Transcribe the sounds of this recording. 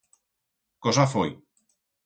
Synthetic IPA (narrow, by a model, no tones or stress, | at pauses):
kosafoj